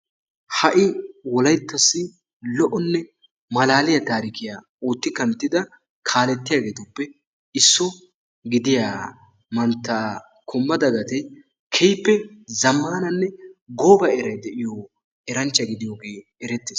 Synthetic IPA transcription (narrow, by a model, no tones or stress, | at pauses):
hɐʔɪwɔlɐjt̪ːɐsːɪ | lɔʔɔnːɛ | mɐlaːlɪjɐt̪aːɾɪkɪjaː | uːt̪ːɪkɐnt̪ːɪd̪ɐ | kʰaːlɛt̪ːɪjaːɡe̞ːt̪ʊpːɛ | ɪsːʊ | ɡɪd̪ɪjaː | mɐnt̪ːaː | kʰʊmːɐd̪ɐɡɐt̪ɛ | kʰɛjpːɛzɐmːɐnnɐnːɛɡoːbɐɛɾɐjd̪ɛʔɪjo | ɛɾɐnt͡ʃːɐɡɪd̪ɪjo̞ːɡeː | ɛɾɛt̪ːeːs